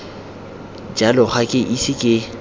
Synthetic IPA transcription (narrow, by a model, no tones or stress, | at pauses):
d͡ʒalɔχakʼɪʔisɪkʼɪ